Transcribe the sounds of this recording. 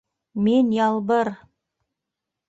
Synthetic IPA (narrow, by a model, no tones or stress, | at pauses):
minjɑlˠbɤɾ